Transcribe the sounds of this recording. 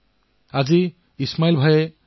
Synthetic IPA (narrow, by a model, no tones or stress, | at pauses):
azi | ismailbʱaje